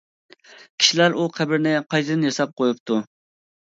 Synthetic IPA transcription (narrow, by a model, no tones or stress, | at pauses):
kʲʰi̥ʃilæɾuqʰæbɪɾnɪqʰɑjt̪ɨd̪ɪnjɑsɑp̚qʰojup̚t̪ʰu